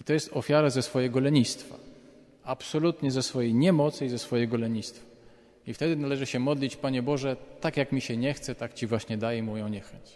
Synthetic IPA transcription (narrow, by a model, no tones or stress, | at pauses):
it̪ɔjɛst̪ɔfʲjaɾazɛsfɔjɛɡɔlɛɲist̪fa̰ | apsɔlut̪ɲɛzɛsfɔjejɲɛmɔt̪sɘizɛsfɔjɛɡɔlɛɲist̪fḁ | ift̪ɛd̪ɘnalɛʐɘɕɛmɔd̪lʲit͡ɕpaɲɛbɔʐɛt̪akjakmʲiɕɛɲɛxt̪sɛt̪akt͡ɕivwaɕɲɛd̪ajɛmujɔ̃w̃ɲɛxɛɲt͡ɕ